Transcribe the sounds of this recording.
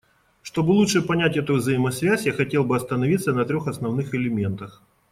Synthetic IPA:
ʂt̪o̞bɨlˠutʂɨpɐnʲætʲɛt̪ʊvzəjɪmɐsvʲæsʲjaxɐtʲe̞lˠbɨɐst̪ənɐvʲit̪sːənɐt̪ɾʲoxɐsnɐvnɨxɪlʲɪmʲe̞nt̪əx

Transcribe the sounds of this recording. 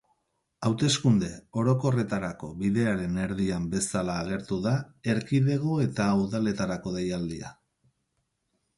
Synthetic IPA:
awt̪e̞skund̪e̞o̞ɾo̞ko̞re̞t̪aɾako̞βiðe̞aɾe̞ne̞ɾðiambe̞salaːɣe̞ɾt̪uðae̞ɾkiðe̞ɣ̞o̞e̞t̪aːwðale̞t̪aɾako̞ðejald̪ia̰

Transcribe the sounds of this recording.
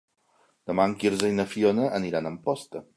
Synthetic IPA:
d̪̥əmaŋkiɾzəjnəfionəʔəniɾanəmpɔst̪ə

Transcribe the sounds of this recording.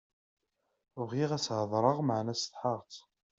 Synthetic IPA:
vʁiʁæsʕəðˤɾˤəʁməʕnæst̪ħəʁt͡s

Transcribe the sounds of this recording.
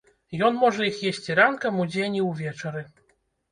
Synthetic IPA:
jɔnmɔʐɛjixjesʲt͡sʲiɾankɐmud͡zʲenʲiwvʲɛt͡ʂɐɾɨ

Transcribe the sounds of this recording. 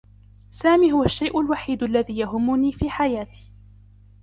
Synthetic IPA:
saːmiːɦʊwaʃːajʔʊlwaħiːd̪alːaðiːjaɦʊmːʊniːfiːħajaːt̪i̥ː

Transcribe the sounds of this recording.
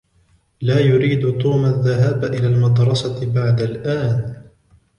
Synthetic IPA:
laːjʊɾiːd̪t̪ˤuːmaðːaɦaːbʔɪlaːlmɑd̪ɾˤɑsɑbaʕd̪alʔaːn

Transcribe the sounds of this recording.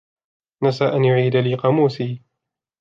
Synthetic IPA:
nasaːʔanjʊʕiːd̪aliqɑmuːsiː

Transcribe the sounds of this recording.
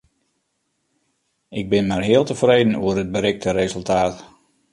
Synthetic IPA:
ʔɪɡ̚bɪnmarɦɪːəlˠtəfrejdn̩uərəd̚bəɾɪk̚tʰəɾezəlˠtaːt

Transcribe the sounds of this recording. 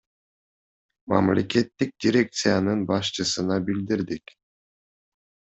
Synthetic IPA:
mɑ̰mlʲe̞ke̞t̪ːik̚d̪ʲiɾʲe̞k̚t̪sɨjanɯnbɑʃt͡ʃɯsɯnɑbild̪iɾd̪ik

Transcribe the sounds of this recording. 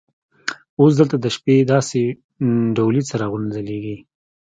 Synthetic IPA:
os̬d̪əlt̪ad̪əʃped̪ɑse | ɖawlit͡səɾaɣʊnzəleɡi

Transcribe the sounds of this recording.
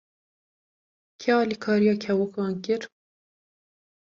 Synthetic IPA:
kʰɛɑːliːkʰɑːɾijɑːkʰɛwʊkɑːnkɪɾ

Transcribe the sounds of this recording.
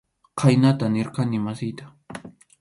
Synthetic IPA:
qʰajnat̪anɪɾqanɪmasɪjt̪ḁ

